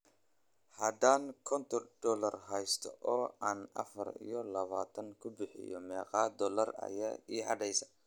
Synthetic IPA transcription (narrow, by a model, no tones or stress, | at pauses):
hɐd̪aːŋkʰɔnt̪ʰɔrd̪̥ɔlɐrɦɛjst̪ʰɔʔɔːaːnʔɐ̰fɐrḭjɔlɐβaːt̪ʰɐŋkʰʊbɪħɪ̰jɔ̰mɛːqɑːd̪ɔːlɐrɐ̰jaːiːħɑɖɛjsɐ̥